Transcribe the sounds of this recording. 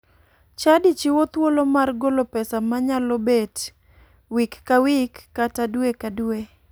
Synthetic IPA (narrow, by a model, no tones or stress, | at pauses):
t͡ʃadit͡ʃiwot̪wolomarɡolopɛsamaɲalobet | wikːawikːatadwekadwe